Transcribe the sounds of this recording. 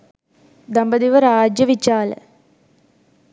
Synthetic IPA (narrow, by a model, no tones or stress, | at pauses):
d̪ɐmbɐd̪iʋɐɾaːd͡ʒjɐʋit͡ʃːaːlɐ̰